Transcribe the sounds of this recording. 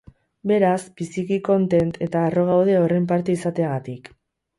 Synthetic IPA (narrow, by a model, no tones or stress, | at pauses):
be̞ɾasbisikiko̞nt̪e̞nt̪ʰe̞t̪aːro̞ɣ̞awð̞e̞o̞re̞mp̬aɾt̪e̞isat̪e̞aɣat̪ik